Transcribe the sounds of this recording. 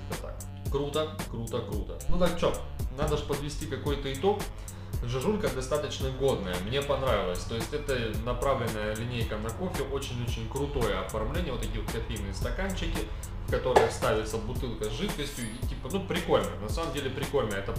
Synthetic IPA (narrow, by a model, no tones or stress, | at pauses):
t̪ət̪a̰k | kɾut̪əkɾut̪əkɾut̪ənud̪at͡ɕonad̪əʐpəd̪vʲɪsʲtʲikɐko̞jt̪əɪt̪o̞k | ʐɨʐulʲkəd̪ɐst̪at̪ət͡ɕnəɡo̞d̪nəjəmnʲe̞pɐnɾavʲɪlˠəsʲt̪o̞jɪsʲtʲɛt̪ənɐpɾavlʲɪnːəjəlʲɪnʲejkənɐko̞fʲɪʔo̞t͡ɕɪnʲo̞t͡ɕɪnʲkɾʊt̪o̞jəɐfɐrmlʲenʲɪjəvot̪ːɐkʲiːvot̪̚kɐfʲejnɨjəst̪ɐkant͡ɕːɪkʲɪ | fkɐt̪o̞ɾɨjst̪avʲɪt̪səbʊt̪ɨlˠkəzʐɨt̪kəsʲtʲjʊitʲipənupɾʲɪko̞lʲnə̰nɐsaməmdʲelʲɪpɾʲɪko̞lʲnəjəɛt̪ə